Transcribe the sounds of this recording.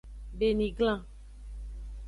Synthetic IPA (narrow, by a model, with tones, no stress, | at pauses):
be˨nĩ˨ɡlã˦˨